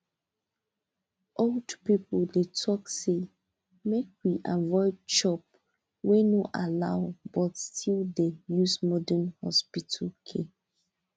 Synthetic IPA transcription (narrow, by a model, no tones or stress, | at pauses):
ʔoldpipldetʰɔkse | mek̚wiʔavɔɪd̚t͡ʃɔp̚ | wenoʔalaʊbɔtstʰildejusmɔdɛnhɔ̰spitʰəlkʰe